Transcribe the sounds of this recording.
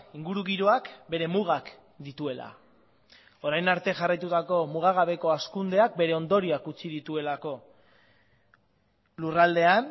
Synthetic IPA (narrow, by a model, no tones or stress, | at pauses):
iŋɡuɾuɣiɾoakbe̞ɾe̞muɣ̞ak | d̪it̪ue̞la̰ | o̞ɾajnaɾt̪e̞ʝarajt̪ut̪ako̞muɣ̞aɣ̞aβe̞ko̞askund̪e̞ak̚be̞ɾe̞o̞nd̪o̞ɾiakut͡siðit̪ue̞lako̞ | lurald̪e̞an